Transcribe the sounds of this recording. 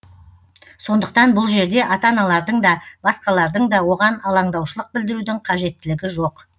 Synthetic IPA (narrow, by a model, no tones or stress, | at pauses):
so̞nd̪əq̚t̪ɑnbʊlˠʒe̞ɾd̪e̞ʔɑt̪ɑnɑlˠɑɾd̪əɴd̪ɑb̥ɑsqɑlˠɑɾd̪əɴd̪ɑwo̞ʁɑnɑlˠɑɴd̪ɑwʃəlˠəq̚bɪld̪ɪɾud̪ɪɴqʰɑʒe̞t̪ːɪlɪɡʲɪʒo̞q